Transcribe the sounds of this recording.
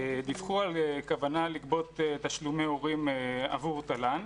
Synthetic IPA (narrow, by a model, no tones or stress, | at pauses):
ed̪ifχualkavanalikbo̞t̪et̪aʃlumeoʁima̰vuʁt̪alan